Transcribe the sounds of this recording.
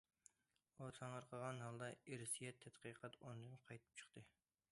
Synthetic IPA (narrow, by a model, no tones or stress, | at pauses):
ot̪ʰɑɴəɾqʰəʁɑnɦɑlˠd̪ɑeɾsijɛt̪ʰːɛt̪qəːqʰɑt̪ond̪ɨnqʰɑjt̪ʰɨ̥p̚t͡ʃʰə̥χt̪ʰɨ